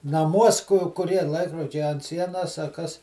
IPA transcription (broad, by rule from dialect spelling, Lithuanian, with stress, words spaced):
nɐˈmuɔs kʊ kʊˈrʲiɛ ˈlˠɐɪkroːd͡ʒʲɛɪ ɐnt ˈsʲiɛnɐs ɐ ˈkɐs